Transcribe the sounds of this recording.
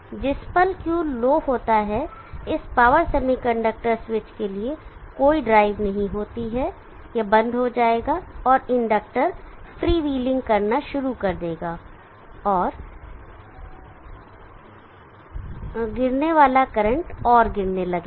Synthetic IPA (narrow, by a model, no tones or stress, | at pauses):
d͡ʒɪspəlkjuːloːɦoːt̪aɦɛ | ɪspaːʋəɾsɛmikɐ̃ɳɖək̚ʈəɾsʋɪt͡ʃkeliekoːiɖɾaːɪʋnɐɦĩɦoːt̪iɦɛ | jebɐ̃nd̪ʱɦod͡ʒaːeːɡaɔːɾɪ̃ɳɖək̚ʈəɾfɾiːʋiːlɪ̃ŋɡkɐɾnaʃʊɾukɐɾd̪eːɡaː | ɔːɾ | ɡɪɾneʋaːlakɐɾə̃ɳʈɔːɾɡɪɾnelɐɡeː